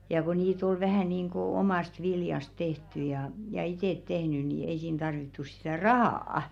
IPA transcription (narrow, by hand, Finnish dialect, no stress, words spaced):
jɑ ko niːt ol ʋæhæˑ niːŋko̝ˑ omɑˑst ʋiljɑst tehtˑy jɑ jɑ iteˑt tehny ni ei siːn tɑrʋitːu sitæˑ rɑhɑːɑ